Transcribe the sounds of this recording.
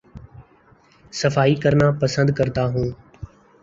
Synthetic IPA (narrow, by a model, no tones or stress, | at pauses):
səfaːiːkəɾnaːpəsə̃nd̪kəɾt̪aːɦũː